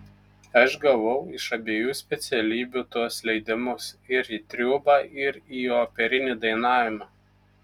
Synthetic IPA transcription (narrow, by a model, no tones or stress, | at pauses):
ɐʃɡɐʋɔʊɪʃɐbʲeːjuːsʲpʲɛt̪sʲɛlʲiːbʲuːt̪uɔslʲɛɪd̪ʲɪmʊsɪɾiːt̪ʲɾʲuːbɑːʔɪɾiːoːpʲɛɾʲɪnʲid̪ɐɪnɑːʋʲɪmɑː